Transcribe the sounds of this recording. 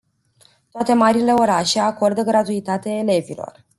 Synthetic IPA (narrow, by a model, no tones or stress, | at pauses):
t̪oat̪e̞maɾile̞o̞ɾaʃe̞ako̞rd̪əɡɾat̪uit̪at̪eaele̞vilo̞̰r